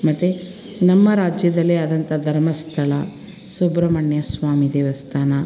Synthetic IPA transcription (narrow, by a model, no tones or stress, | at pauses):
mɐt̪ːe | nɐmːɐɾaːd͡ʒjɐd̪ɐlːeɐd̪ɐnt̪ɐd̪ʱɐɾmɐst̪ʰɐlɐ | sobɾɐmɐɳjɐsʋaːmid̪eːʋɐst̪ʰaːnɐ